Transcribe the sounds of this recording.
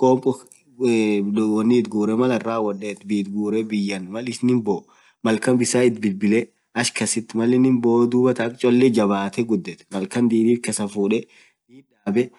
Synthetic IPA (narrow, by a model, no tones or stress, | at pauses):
kʼɔːmpʼɔ | wɔnːit̪̚ɡuːɾɛmɐlɐrːaːwɔᶑeːt̪biːt̪ɡuːɾɛbɪjːɐnmɐlɪsnɪmbo | mɐlkɐmbɪsaːɪt̪̚bɪlbɪlɛ | ɐʃkɐsɪt̪ːɪmɐlɛnɪmboːd̪uːbɐt̪ɐkʼt͡ʃʼɔlːed͡ʒɐβaːt̪ɛɡʊd̪ːɛt̪mɐlkɐnd̪iːd̪iːt̪kɐsɐfuːᶑɛ | d̪iːᶑaːbɛ